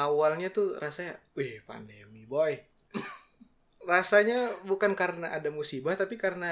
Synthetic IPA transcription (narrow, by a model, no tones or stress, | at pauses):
awalɲat̪urasawɛhpa̰ndemiboɛ | rasaɲabukankaɾənaʔadamusibaht̪apikarəna